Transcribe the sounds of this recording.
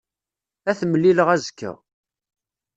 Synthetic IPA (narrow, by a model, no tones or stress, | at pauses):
æθməlːiləʁæzkːə̰ʁ